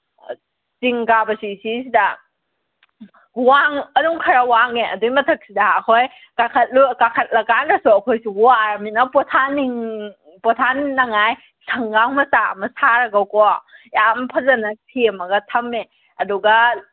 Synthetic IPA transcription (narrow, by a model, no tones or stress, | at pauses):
siŋkabɐsisis̬idɐ | waŋɐnuŋkʰɐɾawaŋeʔɐ̰dujmɐtʰɐk̚sidɐɐkʰoj | kakʰɐt̚lukakʰɐt̚lɐkanɾɐsuɐkʰojsuwaɾminɐpɔtʰaniŋ | pɔtʰanːɐŋaj | sʰɐŋɡaŋmɐsaɐ̰mɐsaɾɐɡawkoajampʰɐzɐnɐtʰemɐɡɐtʰɐme | ɐduɡɐ